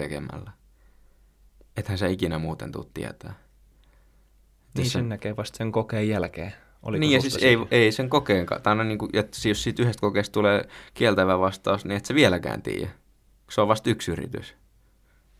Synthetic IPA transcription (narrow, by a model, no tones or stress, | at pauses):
ekḛmæ̰lːæ | et̪hænseikinæmuːt̪ḛnt̪ṵt̪t̪ḭæ̰t̪æː | et̪osenækeːʋɑst̪seŋkokeːjjælkḛː | o̰liniːjjɑsissseiʋʔeiseŋkokeːŋkɑ̰t̪ɑinonniːŋkujet̪sjossiːt̪yhest̪kokeːst̪t̪uleːkielt̪æʋæʋɑst̪ɑːsniet̪seʋielækæ̰ːnt̪ḭːjæ̰ | seoʋʋɑst̪yksyrḭt̪y̰s